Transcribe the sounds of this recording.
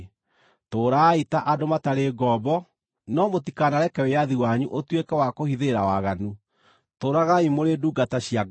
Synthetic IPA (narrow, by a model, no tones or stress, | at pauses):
toːɾaːitaʔadomataɾeɡɔbɔ | nɔmotikanaɾɛkɛwejaðiwaɲuʔotwekɛwakohiðeɾawaɣanu | toːɾaɣaimoɾeduɡataɕiaɡ